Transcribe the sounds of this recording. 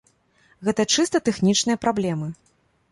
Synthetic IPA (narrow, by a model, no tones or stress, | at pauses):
ɣɛt̪ɐt͡ʂɨst̪ɐt̪ɛxnʲit͡ʂnɨjɐpɾablʲɛmɨ